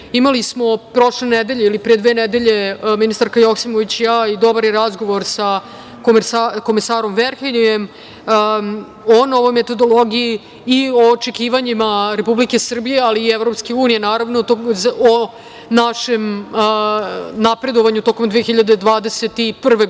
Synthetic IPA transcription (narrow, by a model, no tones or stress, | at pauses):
imalismo̞pɾo̞ʂlened̪e̞ʎeilipɾied̪ʋeːned̪eʎe̞minist̪aɾkajoksimoʋit͡ɕjaːid̪o̞baɾjeɾazɡo̞ʋo̞ɾsa | komsako̞mesaːɾo̞mʋeɾxeniem | ono̞ʋo̞jmet̪o̞d̪o̞lˠoɡijiː | oːt͡ʂekiːʋaɲimaɾe̞publike̞sr̩bije̞aliːevɾopske̞uːnijenaːɾaʋnot̪ozo | naʃem | napɾe̞d̪o̞ʋaɲut̪o̞ko̞md̪ʋeexiʎad̪ed̪ʋaːd̪eset̪ipr̩ʋe̞